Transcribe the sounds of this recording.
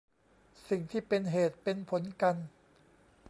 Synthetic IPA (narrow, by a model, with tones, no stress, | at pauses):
si˨˩ŋt̪ʰiː˥˩pe˧nɦeː˨˩t̪̚pe˧npʰo˩˦nka˧n